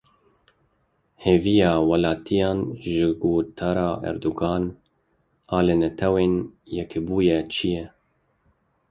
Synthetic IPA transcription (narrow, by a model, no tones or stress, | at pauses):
heːvijɑːwɑlɑːt̪ʰijɑːnʒɪɡoːt̪ʰɑɾɑːʔɛ̰ɾd̪uɡɑːn | ɑːlɨnɛt̪ʰɛweːnjɛkʰɪbuːjɛt͡ʃʰijɛ